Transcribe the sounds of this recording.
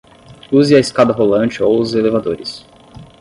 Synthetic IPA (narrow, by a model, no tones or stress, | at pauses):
uzɪɐiskad̪ɐɦolɐ̃t͡ʃɪowʊzelevad̪oɾɪs